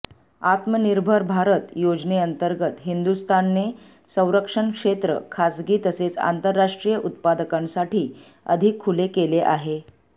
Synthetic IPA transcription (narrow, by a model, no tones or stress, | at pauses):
at̪məniɾbʱəɾbʱaɾət̪jod͡zneənt̪əɾɡət̪ɦind̪ust̪ʰanːe | sə̃w̃ɾəkʂəɳkʂet̪ɾə̰kʰasɡiːt̪əset͡sa̰nt̪əɾːaʂʈɾijəʔut̪̚pad̪əkãmsaʈʰiː | ə̰d̪ʱikʰːulekeleʔaɦe